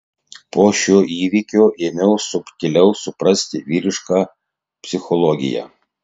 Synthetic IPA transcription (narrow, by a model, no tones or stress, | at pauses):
poːʃʲoːʔiːʋʲikʲoːʔeːmʲɛʊsʊpʲt̪ʲɪlʲɛʊsʊpɾɐsʲt̪ʲɪʋʲiːɾʲɪʃkɑː | pʲsʲɪxɔlˠɔɡʲɪ̰jɛ̰